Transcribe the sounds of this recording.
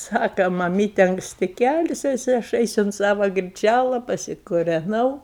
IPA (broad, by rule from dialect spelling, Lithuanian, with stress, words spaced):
ˈsɑːkɐ mɐˈmʲiːtʲɛ ɐŋkˈsʲtʲɪ ˈkʲɛlʲtʲɪs jɪˈsɐɪ ɐʃ ˈɛɪsʊ ʊnt ˈsɑːʋɐ ɡrʲɪˈt͡ʃʲælˠɐ pɐsʲɪkʊrʲɛˈnɐʊ